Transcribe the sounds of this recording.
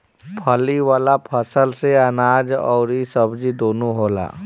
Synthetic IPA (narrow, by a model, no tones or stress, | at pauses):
pʰəliʋaːlapʰəsəlseənaːd͡ʒɔ̰ːɾisəbd͡ʒid̪oːnoɦoːla̰ː